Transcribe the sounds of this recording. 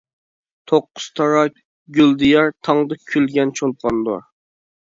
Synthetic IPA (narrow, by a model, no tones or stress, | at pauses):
t̪ʰoqːʊ̥z̥t̪ʰɑɾɑ | ɡʲyld̪ijɑɾt̪ʰɑŋd̪ɨkʲʰylɡʲɛnt͡ʃʰot̪̚qʰɑnd̪ʊ̰ɾ